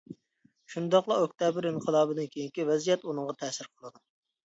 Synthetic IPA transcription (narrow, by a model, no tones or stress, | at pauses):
ʃund̪ɑqlˠɑok̚ʲt̪ʰɑbɪɾɨnqʰəlˠɑːbɨd̪ɪnkʲʰejiŋkʲivɛzijɛt̪unɨŋʁɑt̪ʰɛːsɪɾqʰəlˠɨd̪u